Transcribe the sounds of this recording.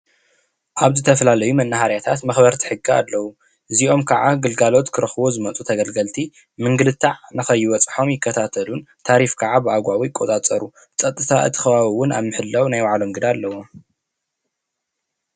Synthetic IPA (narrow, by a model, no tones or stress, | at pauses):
ʔaβzɨt̪ʰɐfɐlalɐjumɐnːaɦaɾjat̪ʰat̪mɐxbɐɾt̪ʰi̥ħɨɡːia̰lːɐwu | ʔɨziʔo̞mkʰɐʕaɡɨlɡalo̞t̪kʰɨɾɐxβozɨmɐt͡sʼut̪ʰɐɡɐlɡɐlt̪ʰi | mɨŋɡɨlɨt̪ʰːaʕnɨxɐjːɪwɔt͡sʼħo̞mjɪkʰːɐt̪ʰat̪ʰɐlun | t̪ʰaɾifkʰaʕabɨaɡʷawijɪkʼːo̞t̪ʼat͡sʼɐɾu | t͡sʼɐt̪ʼːɨt̪ʰaʔɨ̰t̪ʰːɨ̥xɐβaβiwʊna̰βmɨħɨlːɐwnajwaʕlo̞mɡɨd̪aːlːɐwom